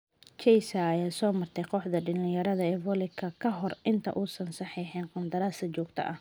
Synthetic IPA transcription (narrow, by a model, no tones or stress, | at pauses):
t͡ʃɛjsɐːjaːsɔːmɐrt̪ʰɛjqɔħd̪ɐɖɪnɪjɐɾɐðɐɛːvɔlɪkʰɐkʰɐɦɔrʔɪnt̪ʰɐ̰ʔuːsɐnsɑħiːħɪnqɑnd̪ɐɾaːsɐt͡ʃɔːɡt̪ʰɐ̰ʔɐh